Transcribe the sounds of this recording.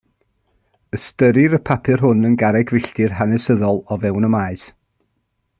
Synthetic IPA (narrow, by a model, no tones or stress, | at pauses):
əstəɾɪɾəpʰapʰɨrɦʊnənɡaɾɛɡvɪɬtɪrɦanɛsəðɔlˠɔvɛwnəmaɨs